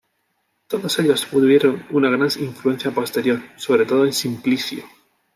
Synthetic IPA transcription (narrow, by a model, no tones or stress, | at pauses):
t̪o̞ðo̞se̞ʎo̞spuðɾje̞ɾo̞nunaɣ̞ɾaniɱflue̞nθjapo̞st̪e̞ɾjo̞ɾso̞βɾe̞t̪o̞ðoensimplisjo